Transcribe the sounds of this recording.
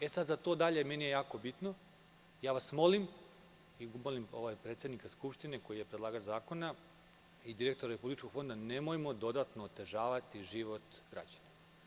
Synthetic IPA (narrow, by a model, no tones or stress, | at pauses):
e̞sad̪zat̪o̞ːd̪aʎe̞me̞nije̞jaːko̞bit̪no̞ | jaːʋasmo̞lim | iɡumolimo̞ʋajpɾet̪sed̪nikaskupʃt̪ine̞ko̞jijepɾed̪lˠaːɡat͡ʃzaːko̞na | id̪iɾe̞k̚t̪o̞ɾaɾe̞publit͡ʃko̞ɡ̥fo̞nd̪ane̞mojmo̞d̪o̞d̪at̪noːt̪e̞ʒaːʋat̪iʒiʋo̞t̪ɡɾa̰d͡ʑane